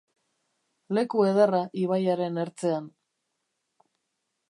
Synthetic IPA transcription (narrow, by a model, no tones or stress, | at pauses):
le̞kue̞ð̞eraʔiβ̞ajaɾe̞ne̞ɾt͡se̞an